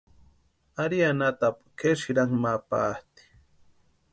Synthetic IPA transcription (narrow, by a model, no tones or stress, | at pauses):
aɾianat̪apkeʃiɾaŋmapat̪i̥